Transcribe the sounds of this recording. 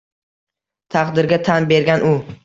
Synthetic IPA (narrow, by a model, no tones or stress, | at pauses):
t̪ʰɑqd̪ɪɾɡʲat̪ʰanbe̞ɾɡʲanʔʊ